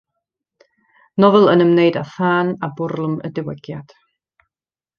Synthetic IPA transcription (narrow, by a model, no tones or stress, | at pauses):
nɔvɛlˠənəmneɨdaθaːnabʊrlˠəmə̰dɪwɛɡ̥jad̥